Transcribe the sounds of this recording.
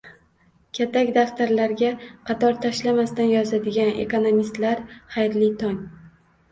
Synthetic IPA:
kʲʰat̪ʰakʲd̪aft̪aɾlaɾɡʲaqʰɑt̪ʰɒɾt̪ʰaʃlamast̪anjɒzad̪ɪɡʲanʔḛkonomist̪laɾχajɾlɪt̪ʰɒŋ

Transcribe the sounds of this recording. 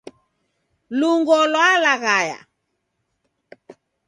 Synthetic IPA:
luŋɡɔlwalaɣaja̰

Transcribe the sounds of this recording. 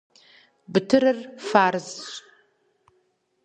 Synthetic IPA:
bɨtʰɨɾɨrfaːrzɕʼ

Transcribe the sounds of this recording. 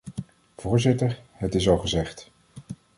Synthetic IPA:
v̥ʊːɹzɪtəɹhətɪs̬ɑlˠχəzɛχt

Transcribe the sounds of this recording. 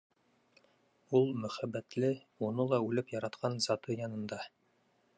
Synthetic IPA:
ulˠmɵ̆χæbːæt̪lɘ | unɤlˠɑʉlɘpjɑɾɑt̪qʰɑnzɑt̪ɤjɑnɤ̆nd̪ɑ

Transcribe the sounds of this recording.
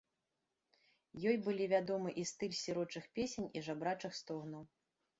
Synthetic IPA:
jɔjbɨlʲivʲad̪ɔmɨʔist̪ɨlʲsʲiɾɔt͡ʂɨxpʲesʲenʲiʐabɾat͡ʂɨxst̪ɔɣnɐw

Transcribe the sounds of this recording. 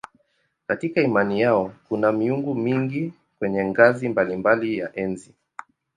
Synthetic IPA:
katikaimanijaɔkunamiuŋɡumiŋɡi | kwɛɲɛŋɡazimbalimbalijaʔɛnzi

